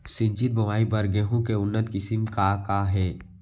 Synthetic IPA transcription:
sɪ̃ɲt͡ʃɪt̪̚bɐʋaːibɐɾɡeːɦũkeʊnːət̪kɪsɪmkakaɦɛː

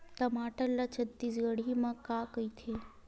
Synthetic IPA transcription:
t̪əmaʈəllat͡ʃʰət̪ːis̬ɡəɽ̤imãkakəit̪ʰe

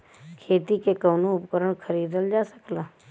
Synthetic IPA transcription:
kʰeːt̪iːkeːkəːnõːʊpkəɾəɳkʰəɾiːd̪əld͡ʒaːsə̥klaː

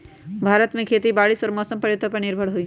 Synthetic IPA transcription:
bʱaːɾət̪mẽkʰeːt̪ibaːɽɪsɔːɾmɔːsəmpɐɾjʊt̪opɐɾnɪɾbʱəɽɦui

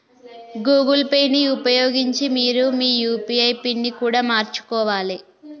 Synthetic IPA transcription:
ɡuːɡɐlpejnːiupɐjoːɡiɲt͡ʃimiːɾumiːjuːpiɐjpinːikuːɽaːmaːɾt͡ʃu̥kɔːʋaːli

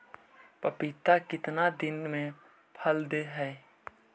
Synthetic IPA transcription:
pəpɪt̪akɪt̪nad̪ɪnmẽ | pʰəld̪eɦɛː

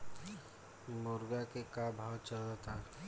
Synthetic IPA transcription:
mʊɾɡakekabʱawt͡ʃəld̪ət̪ʰa

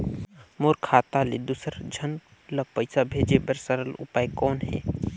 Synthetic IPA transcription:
moːɾkʰaːt̪aled̪usəɾd͡ʒʱən | ləpəɪsabʱeːd͡ʒebəɾsəɾəlʊ̰paːekɔːnɦɛ̰ː

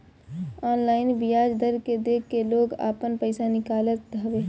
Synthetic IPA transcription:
ɔːnlaːɪnʋɪjaːd͡ʒd̪əɾked̪eːkʰːeloːɡa̰ːpənpəɪsanɪkaːlət̪̚ːəʋeː

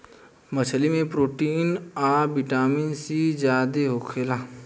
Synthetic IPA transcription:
mət͡ʃʰlimẽpɾoːʈiːnaːbɪʈaːminsid͡ʒjaːd̪eɦokʰeːlaː

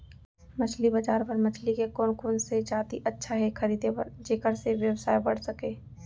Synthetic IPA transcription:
mɐt͡ʃʰlibɐd͡ʒaːɾpɐɾmɐt͡ʃʰlikekoːnkoːnsed͡ʒaːt̪iʔɐtːʃʰaɦɛkʰɐɾiːd̪ʱebə̰ɾd͡ʒeːkəɾseʋjəwsaːjbɐɽ̤sɐkeː

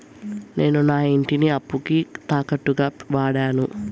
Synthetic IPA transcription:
ne̞ːnunaːiɳʈiniɐpːukit̪aːkɐʈːuɡaːʋaːɽaːnu

